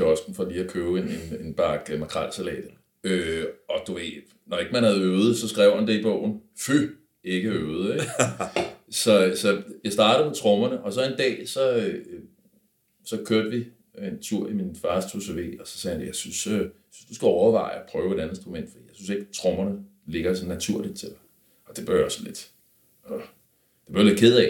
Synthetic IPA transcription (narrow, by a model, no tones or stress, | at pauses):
ɒsɡ̥n̩fɒ̽liːækʰøːʊenene̝nb̥ɑ̈ɡ̥mɑ̈kʰʁɑl̰sælɛ̰ːd̥ | øɒ̽d̥uʋe̝̰̥ | nɒe̝ɡ̥əmænhæð̞̩ˠøːð̞̩ˠsɒ̽sɡ̥ʁɛʊ̰hænd̥ḛlb̥ɔ̽ʊ̰n̩fy | e̝ɡ̥əøːð̩ˠeɡ | sɒ̽sɒ̽jäɪsd̥ɑ̈ːɾ̥ð̩ˠmet͡sʰʁɔ̽mɐnəʔɒ̽sɒ̽e̝nd̥ɛ̰ːsɒ̽ | sɒ̽kʰøɐd̥əʋi | ent͡sʰuɐ̰iminfɑ̈st͡sʰusæʋe̝̰ːɒsɒ̥̽sɛːhænjäɪsynsø | synsd̥usɡ̥æɒʊɐʋɑ̈ɪɒpʰʁœːʊe̝d̥ænðensd̥ʁumen̰d̥fɒd̥ḭːjaɪsynse̝ɡ̥t͡sʰʁɔ̽mɐnə | le̝ɡ̥ɐsɒnːæt͡sʰuɐ̰lid̥t͡sʰe̝lɑ | ɒ̽d̥e̝b̥ɶjɒsn̩le̝d̥ | ɒ | d̥e̥b̥ɶɐled̥̚kʰe̝ð̞ˠɛ